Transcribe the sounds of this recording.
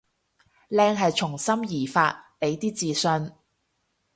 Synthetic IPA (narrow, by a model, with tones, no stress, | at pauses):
lɛː˧ŋɦɐ˨jt͡ʃʰʊ˨˩ŋsɐ˥mjiː˨˩faː˧t̚le˨˧jt̪iː˥t͡siː˨sɵ˧n